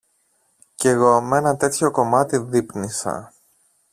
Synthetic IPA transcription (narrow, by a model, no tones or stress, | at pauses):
ce̞ɣo̞me̞nɐt̪e̞t̪ço̞ko̞mɐt̪iðipnisɐ̰